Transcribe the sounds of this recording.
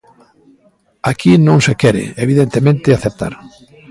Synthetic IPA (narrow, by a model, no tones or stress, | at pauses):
akʰinõŋsekɛɾɪ̰eβiðent̪emẽnt̪ɪaθep̚t̪a̰ɾ